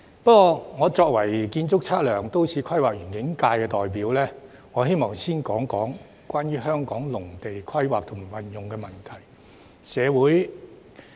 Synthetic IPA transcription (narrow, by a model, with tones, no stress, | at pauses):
pɐ˥kɔː˧ŋɔː˨˧t͡sɔː˧k̚wɐ˨˩jkiː˧nt͡sʊ˥k̚t͡sʰaː˥t̚lœː˨˩ŋt̪o˥wsʰiː˨˧kʰɐ˥jwaː˨k̚ɥyː˨˩nkɪ˨˥ŋkaː˧jkɛː˧t̪ɔː˨jp̬iː˨˥wlɛː˥ | ŋɔː˨˧ɦe˥jmɔː˨˩ŋsiː˥nkɔː˨˥ŋkɔː˨˥ŋ | kwaː˥nɥyː˥ɦœː˥ŋkɔː˨˥ŋlʊ˨˩ŋt̪e˨jkʰɐ˥jwa̰ː˨k̚t̪ʰʊ˨˩ma˨˩wɐ˨njʊ˨ŋkɛː˧mɐ˨nt̪ʰɐ˨˩j | sɛː˨˧wuː˨˥j